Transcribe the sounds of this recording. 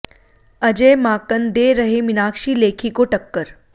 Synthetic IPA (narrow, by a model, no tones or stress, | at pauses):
əd͡ʑemaːkənd̪eɾəɦeminaːkʂiːleːkʰikoʈəkːəɾ